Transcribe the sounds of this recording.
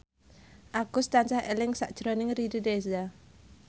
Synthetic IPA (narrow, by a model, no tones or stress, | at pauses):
ʔaɡ̥ʊst̪ant͡ʃahelɪŋsaʔd̥ʒ̥ɾɔnɪŋriɾideza